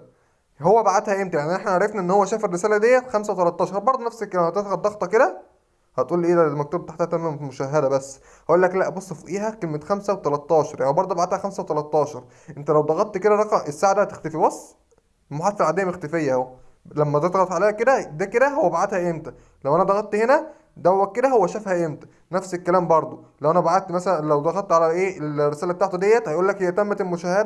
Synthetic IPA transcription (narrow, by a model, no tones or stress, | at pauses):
howːæbaʕat̪hæʔemt̪æjaʕniʔeħnæʕaɾˤefnæʔenːhowːæʃæːferːesæːlæd̪ejːæxæmsæwet̪ælɑt̪ˤːɑːʃɑɾˤbɑɾd̪onæfsæklæmːæt̪et̪ɣɑdd̪ɑɣt̪ˤɑked̪æ | hæt̪ʔuːlʔeːd̪æmæk̚t̪obt̪aħt̪æhæt̪æmːæmoʃæɦːæd̪æbæsː | hæʔuːlːæklæʔbosˤːɑfuʔiːɦækelmet̪xæmsæwet̪ælɑt̪ːɑːʃɑɾˤjaʕnibɑɾˤd̪ˤobaʕat̪hæxæmsæwet̪ælɑt̪ˤːɑːʃɑɾˤ | ʔent̪ælæwd̪ɑɣɑt̪ːked̪æɾˤɑqɑʔesːaːʕad̪æt̪e̥xt̪æfibɑsˤ | elmoħad̪felʕad̪ejːæmext̪æfejːæhowæ | læmːæd̪et̪ˤɣɑt̪ʕaleːhæked̪æd̪æked̪æɦowːæbaʕat̪hæʔemt̪æ | læwʔænæd̪ɑɣɑt̪t̪ːhenæ | d̪æwːæk̚ked̪æhowːæʃæːfhæʔʔemt̪æ̥ | næfsekːælæːmbɑɾˤd̪ˤo | læwʔænæbaʕat̪ːmæsælænlæwd̪ɑɣɑlˤt̪ʕalæʔeːelrːesæːlæbet̪aːʕt̪æd̪ejːæt̪hæjʔuːlːækhejːæt̪æmːæt̪elmoʃæːhːæd̪æ